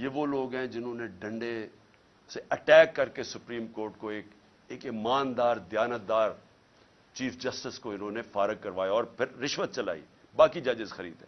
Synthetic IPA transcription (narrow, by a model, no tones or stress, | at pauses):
jeʋoloːɡɦɛ̃d͡ʒɪnɦõːneɖɐ̃ɳɖe | seʔɐʈɛːkːɐɾkesʊpɾiːmkoːɾʈ̚koeːk | eːkɪmaːnd̪aːɾd̪jaːnət̪̚d̪aːɾ | t͡ʃiːfd͡ʒɐsʈɪskoɪnɦõːnefaːɾəɡ̚kɐɾʋaːjaɔːɾpʰɪɾːɪʃʋət̪̚t͡ʃɐla̰ːḭːbaːkid͡ʒɐd͡ʒɪzxɐɾḭːd̪ɦɛ̃ː